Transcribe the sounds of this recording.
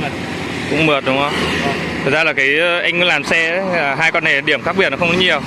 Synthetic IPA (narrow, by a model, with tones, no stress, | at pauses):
kʊ̰˧˥ŋ͡mmɨ˨˩ət̚ɗʊ˨˦ŋ͡mhə˧wŋ͡m̪ʰə˨˩zaː˧laː˨˩kaː˨˦jʔa˧jŋklaː˨˩msɛː˧˨˦ɦaː˧jkɔ˧nːa˨˩˨ɗi˧˩əmxaː˦˥k̚i˨ət̚nɔ˨˦xə˧wŋ͡mlɔ˨˦ɲi˨˩əw